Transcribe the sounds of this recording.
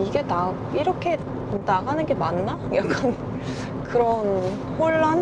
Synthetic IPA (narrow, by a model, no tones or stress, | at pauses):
iɡe̞na | iɾʌkʰe̞ | naɡanɯnɡe̞manːajak͈ʰan | kɯɾʌn | hoɭːan